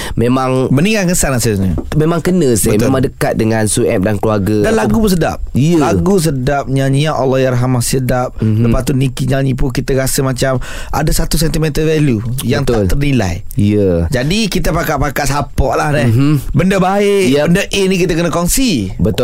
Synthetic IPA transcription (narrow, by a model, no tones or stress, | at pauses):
memaŋbəniŋaŋəsanasɪɲə̰memãŋkənəsbaəmemãŋdəkat̪̚dəŋansuʔɛ̰p̚dankluaɡədanlaɡupʊns̬əda̰p̚iəlaɡus̬ədap̚ɲaɲiaʔɔlːɔjaɾɦamasədap̚ləpat̪unikiɲalɲĩpukit̪əɾasəmat͡ʃam | ʔa̰dasat̪us̬ɛnt̪imɛnt̪əvɛljujaŋt̪at̪ərnila̰j | ijəd͡ʒadikit̪əpakaʔpakaʔsapɔʔlahnɛbəndəbaɪʔbəndəʔenĩk̬it̪əkənəkɔnsibət̪